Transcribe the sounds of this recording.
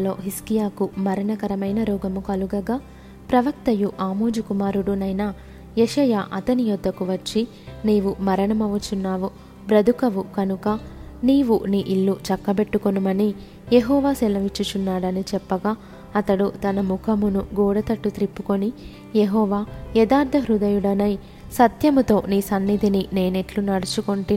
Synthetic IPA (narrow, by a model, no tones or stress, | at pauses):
lo̞̰ːɦiskijaːkumɐɾɐɳɐkɐɾɐmɐjnɐɾɔːɡɐmukɐluɡɐɡaː | pɾɐʋɐkt̪ɐjuʔaːmoːd͡ʒukumaːɾuɽunɐjnɐ | jeʂɐja̰ːʔɐt̪ɐnijɔd̪ːɐkuʋɐt͡ʃːi | neːʋumɐɾɐɳɐmɐʋut͡ʃunːaːʋu | bɾɐd̪ʱukɐʋukɐnukɐniːʋuniʔilːut͡ʃɐkːɐbe̞ʈːukonumɐni | jeɦɔːʋaːsɛlɐʋit͡ʃːut͡ʃunːaːɽɐnit͡ʃɛpːɐɡaː | ɐt̪ɐɽut̪ɐnɐmukʰɐmunuɡɔːɽɐt̪ɐʈːut̪ɾipːuko̞ni | jeɦɔːʋaːjɛd̪aːɾd̪ʱɐɦɾud̪ɐjuɽɐnɐj | sɐt̪jɐmut̪o̞ːniːsɐnːid̪ʱinine̞ːneʈlunɐɽɐt͡ʃukoɳʈi